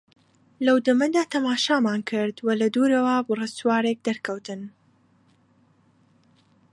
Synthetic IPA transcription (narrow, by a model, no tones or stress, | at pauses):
lɐwd̪ɨmɐd̪aːt̪ʰɐmaːʃaːmaːnkʰɨɾd̪wɐlɐd̪uɾɐwabɨrɨst̪waːɾek̚d̪ɐɾkʰɐwt̪ɨn